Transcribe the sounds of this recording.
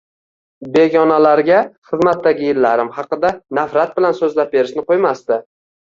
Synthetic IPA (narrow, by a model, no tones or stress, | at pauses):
be̞ɡʲɒnalaɾɡʲaχɨzmat̪ːaɡʲɪjɪlːaɾɪmhɑqɨd̪anafɾat̪̚bɪlansɵzlap̚be̞ɾɪʃnɪqʰojmast̪ɪ